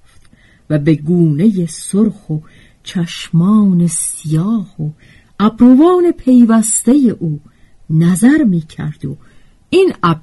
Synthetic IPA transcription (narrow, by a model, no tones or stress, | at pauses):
ft̪ | væbe̞ɡuːne̞je̞soɾxo | t͡ʃʰæʃmɒːnesijɒːho | æbɾovɑːne̞pʰe̞jvæst̪e̞jeʔuː | næzæɾmiːcʰæ̰ɾd̪̥o̰ | inæb